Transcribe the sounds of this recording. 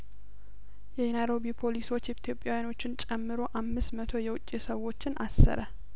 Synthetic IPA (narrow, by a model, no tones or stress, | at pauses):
jɛnajɾo̞bipʰo̞liso̞t͡ʃːɛt̪ʰjo̞pʼːjawjano̞t͡ʃːɪnt͡ʃʼɛmːɨɾo̞ʔamːɨsmət̪ʰo̞jɛwʊt͡ʃʼːisəwːo̞t͡ʃːɪna̰sːə̰ɾə